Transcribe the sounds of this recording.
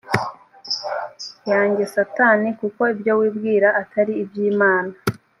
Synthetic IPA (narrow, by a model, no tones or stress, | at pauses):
jaːɲɟe̞sataːnikuko̞ibjo̞wiːbɡiːɾaʔatʰaɾiːbjiːmaːna